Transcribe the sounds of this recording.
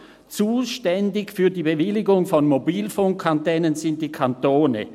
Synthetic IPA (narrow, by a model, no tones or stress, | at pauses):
t͡suːʃtɛndɪçfyːɐdiːbevɪlɪɡʊŋfɔnmobiːlfoŋkʰːantɛːnənzɪntd̥iːkʰantoːnə̰